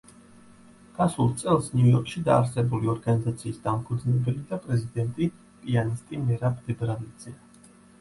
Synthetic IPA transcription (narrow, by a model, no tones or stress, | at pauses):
ɡ̥asulˠt̪sʼɛlˠsniujɔɾkʼʃid̪a̰ːɾsɛbuliɔɾɡanizat̪sʰiːsd̪ampʰud̪znɛbɛlid̪apʼɾɛzid̪ɛnt̪ʼi | pʼianist̪ʼinɛɾabʼd̪ɛbɾalid̪z̥ɛ